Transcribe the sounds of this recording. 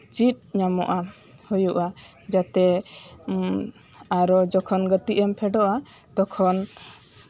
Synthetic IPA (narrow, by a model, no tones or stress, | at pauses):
t͡ʃit̪̚ɲamɔʔa | hujuʔa | d͡ʒat̪ɛ | aɾɔd͡ʒɔkʰɔnɡət̪iʔɛmpʰɛɖɔʔa | t̪ɔkʰɔn